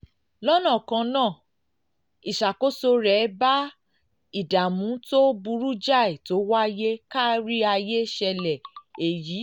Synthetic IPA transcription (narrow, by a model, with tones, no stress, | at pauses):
lɔ˦nã˦˨kã˧nãː˦˨ | i˨ʃa˨ko˨˦so˧ɾɛ˨˦ba˦ | i˨da˨mũ˨˦to˦bu˧ɾu˦d͡ʒa˦˨i˨to˨˦wa˦je˦ka˦ɾi˦a˧je˦ʃɛ˧lɛ˨e˨jiː˨˦